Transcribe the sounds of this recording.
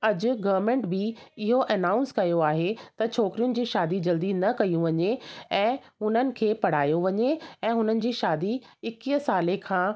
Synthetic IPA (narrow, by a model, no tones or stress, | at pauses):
ɐd͡ʑʊɡɐʋəɾmẽːɳʈbɪɪɦoʔɐnaːʊ̃nskɐjoaːɦet̪ɐt͡ɕʰoːkɪɾijʊnɪ̆d͡ʑiːʃaːd̪id͡ʑɐld̪inɐkɐijũʋɐɲeɛ̃ːɦʊn̤ənɪ̆kʰeːpɐɽ̤aːjoʋɐɲeɛ̃ːɦʊnənɪ̆d͡ʑiːʃaːd̪i | ɪkiːəsaːlekʰãː